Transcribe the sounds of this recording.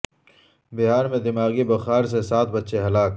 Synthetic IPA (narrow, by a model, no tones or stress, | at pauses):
bɪɦaːɾmẽd̪ɪmaːɣibɐxaːɾs̬esaːt̪̚ʰbɐtːʃeɦɐlaːk